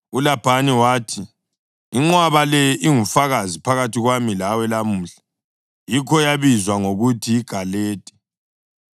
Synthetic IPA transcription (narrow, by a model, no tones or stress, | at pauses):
ulab̥ʱaniwaːtʰi | iŋ͡ǀwaβalɛjʔiŋufaɣazipʰaɣatʰiɣwamilawɛlamuːɬḁ | jikʰɔjaβizwaŋoɣutʰiːɡ̥ʱaleːtʼi̥